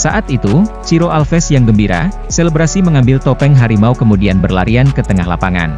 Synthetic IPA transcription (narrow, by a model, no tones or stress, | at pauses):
saʔat̪it̪ut͡ʃiɾoʔalfɛsjaŋɡəmbiɾa̰ | selebɾasiməŋambɪlt̪opɛŋɦaɾimaukəmudianbərlaɾiankət̪əŋahla̰paŋa̰n